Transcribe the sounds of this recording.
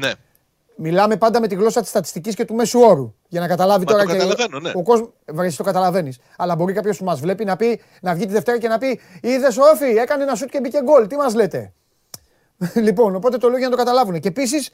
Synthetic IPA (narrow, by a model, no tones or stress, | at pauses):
ne | milɐme̞pɐnd̪ɐme̞t̪iɣlo̞sɐt̪i̥st̪ɐt̪i̥st̪icisce̞t̪ume̞suo̞ɾu | ʝɐnɐkɐt̪ɐlɐvit̪o̞ɾɐeennoko̞zm | vɾesist̪o̞kɐt̪ɐlɐve̞nis | ɐlɐbo̞ɾikɐpço̞smɐzvle̞pinɐpi | nɐvʝit̪iðe̞ft̪e̞ɾɐce̞nɐpiiðe̞s̬ofie̞kɐnenɐsut̪ce̞bice̞ɡo̞lt̪imɐzle̞t̪e̞̰ | lipo̞no̞po̞t̪e̞t̪o̞looʝɐnɐt̪o̞kɐt̪ɐlɐvune̞ceːpis̬is